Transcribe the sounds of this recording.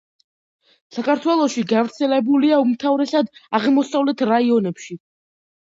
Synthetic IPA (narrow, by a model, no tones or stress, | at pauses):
sakʰaɾt̪ʰwɛlˠɔʃiɡavɾt̪sʰɛlɛbuliaumt̪ʰavɾɛsad̪aʁmɔsavlɛt̪ʰɾaiɔnɛpʃi